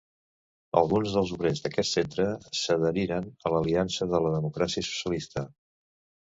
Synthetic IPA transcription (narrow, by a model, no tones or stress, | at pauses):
ə̰lˠɣunzðəlˠzuβɾezðəkɛt̪sent̪ɾəsəðəɾiɾənələliansəðələðəmukɾasiəsu̥sjəlist̪ə